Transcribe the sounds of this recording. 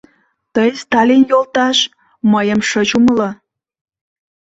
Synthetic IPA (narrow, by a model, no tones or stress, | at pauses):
t̪əjst̪ɑlinjolt̪ɑʃ | məjəmʃət͡ɕuməlɤ